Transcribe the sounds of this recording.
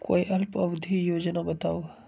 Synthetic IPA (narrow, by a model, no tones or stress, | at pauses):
ko̰ːiʔɐlpɐbd̪ʱijoːd͡ʒnabɐt̪aːw